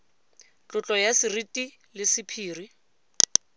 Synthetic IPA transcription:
t͡ɬʼʊt͡ɬʼɔjasɪritʼi | lɪsɪpʰiːri

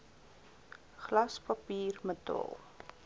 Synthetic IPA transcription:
χlɐspɐpiːrmətɔ̰lˠ

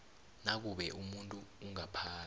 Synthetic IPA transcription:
nak̬uɓɛʔumuntʼuːŋapʰaː

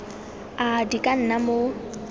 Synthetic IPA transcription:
adikʼan̩namo

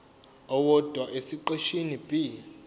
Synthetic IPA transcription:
ɔwɔd̥ʱwaʔesiǃeʃinib̥ʱʼi

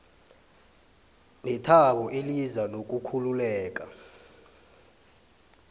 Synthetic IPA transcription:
nɛtʰaɓɔʔilizanok̬ʼukʰululɛːk̬ʼa

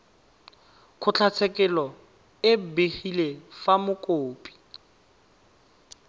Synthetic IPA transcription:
kʰʊt͡ɬʰat͡sʰɛkʼɛlɔ | ɪbeχilefamʊkʼoːpʼi̥

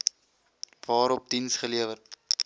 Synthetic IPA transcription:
vɑːɾɔp̚dinsχəliəvər

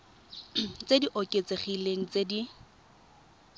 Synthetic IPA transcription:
t͡sediʔokʼet͡sʼeχileŋ̩t͡sedi

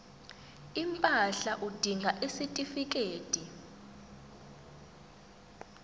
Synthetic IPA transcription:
impʼaɬaʔud̥ʱiŋʱaʔisitʼifik̬ʼeːd̥ʱʼi

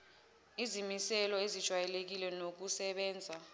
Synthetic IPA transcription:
izimisɛlɔezid̥ʒ̥ʱwajɛlek̬ilɛnok̬usɛɓɛːnd͡zʱa

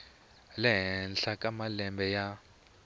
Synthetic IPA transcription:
lɛɦɛnɬakʼamalɛmbɛja

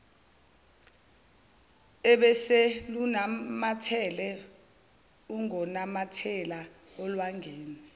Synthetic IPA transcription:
ɛɓɛselunamatʰɛlɛ | uŋɔnamatʰɛla | ɔlwaŋʱeːni

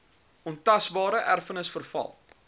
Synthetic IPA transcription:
ɔntɐsbɑːɾəʔærfənəsfərfɐ̰lˠ

